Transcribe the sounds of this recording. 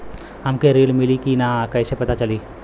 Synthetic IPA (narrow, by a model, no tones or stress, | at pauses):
ɦɐmkeɾiːɽmɪlikinakɐjsepɐt̪at͡ʃɐliː